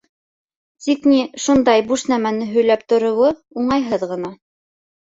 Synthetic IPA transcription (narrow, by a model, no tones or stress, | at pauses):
t̪ikniʃund̪ɑjbuʃnæmænɘɦɵ̆jlæp̚t̪ŏɾŏwɤuɴɑjɦɤðʁɤ̆nɑ